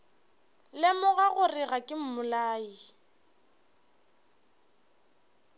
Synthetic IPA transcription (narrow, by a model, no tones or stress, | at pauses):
lɪmʊɣaɣʊrɪɣakʼɪm̩mʊlaːi